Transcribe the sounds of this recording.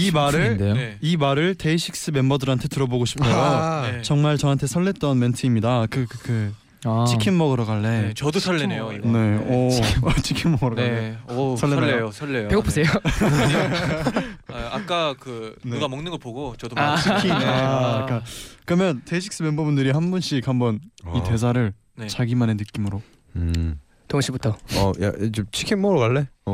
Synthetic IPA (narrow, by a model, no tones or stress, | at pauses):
imaɾɯdeimaɾɯɭte̞iɕʰik̚s͈ɯme̞mbʌdɯɾɦantʰe̞tɯɾʌboɡoɕʰi̥pʰojot͡ɕʌŋmaɭt͡ɕʌɦantʰe̞sʰʌɭːet̚t͈ʌnme̞ntʰɯimɲidakɯkɯ | t͡ɕʰikʰinmʌɡɯɾokaɭːe̞t͡ɕʌdosʰʌɭːenejone̞ʌt͡ɕʰikʰimmʌɡɯɾoaesʰʌɭːeejosʰʌɭːejopeopʰusʰejo | ak͈akɯneɡamʌŋnɯnɡʌɭpoɡot͡ɕʌdot͡ɕʰikʰi | k͈akɯɾʌmjʌnteɕʰik̚s͈ɯmembubundɯɾihanbunɕ͈ikhambʌnite̞s̬ʰaɾɯɭ | net͡ɕaɡimanenɯk͈imɯɾo | tʌŋɕ͈ʰibutʰʌʌ̰ja̰t͡ɕomt͡ɕʰi̥kʰinmːʌɡɯɾokaɭːe